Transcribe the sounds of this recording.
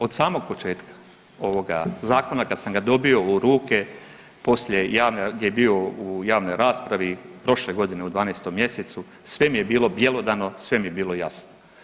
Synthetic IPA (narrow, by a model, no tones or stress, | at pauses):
o̞d̪saːmo̞ɡ̚po̞t͡ʃe̞ːt̪kḁ | o̞ʋo̞ɡa̰zaːko̞nakad̪samɡad̪o̞bio̞uɾuːke̞ | po̞sʎe̞jaːʋnaɡd̪ʲjejebiːo̞ujaːʋno̞jɾaːspɾaʋipɾo̞ʃle̞ɡo̞d̪ine̞ud̪ʋaːnejst̪o̞mːje̞se̞t̪su | sʋe̞mije̞biːlˠo̞bje̞lo̞d̪ano̞sʋe̞mijebiːlˠo̞jasno